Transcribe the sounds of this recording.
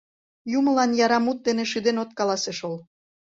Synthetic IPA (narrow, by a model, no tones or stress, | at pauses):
jumə̆lɑnjɑɾɑmut̪̚d̪eneʃyd̪enot̪kɑlɑseʃol